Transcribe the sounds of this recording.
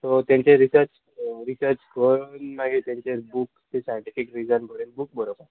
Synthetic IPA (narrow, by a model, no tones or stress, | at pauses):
t̪ot̪jãɲt͡ɕẽɾisəɾt͡ɕ | ɾisəɾt͡ɕkəɾunmaɡet̪jãɲt͡ɕebukt̪esajɳʈifikɾid͡zənbʱəɭenbuk̚bəɾobə